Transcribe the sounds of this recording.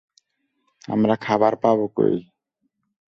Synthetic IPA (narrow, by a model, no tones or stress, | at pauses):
a̰mɾakʰabaɾpaboko̰j